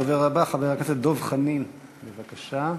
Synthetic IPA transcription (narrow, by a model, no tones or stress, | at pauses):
aveʁabaχaveakased̪o̞vχanin | bevakaʃa